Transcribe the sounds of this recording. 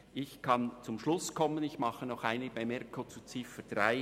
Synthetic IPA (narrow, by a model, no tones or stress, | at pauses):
ʔɪçkʰɑnt͡sʊmʃlʊskʰɔmənɪçmɑχənɔχaɪnɪ̥b̥aɪmɛrkʰot͡sut͡sɪfəd̥raɪ